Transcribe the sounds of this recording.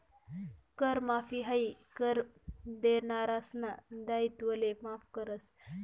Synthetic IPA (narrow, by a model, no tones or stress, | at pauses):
kəɾmafiɦaikəɾ | d̪enaɾasnad̪ait̪ʋəlemafkəɾəs